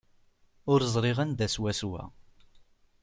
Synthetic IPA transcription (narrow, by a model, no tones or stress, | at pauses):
ʊɾzˤɾˤɪʁənd̪æswæswæ̰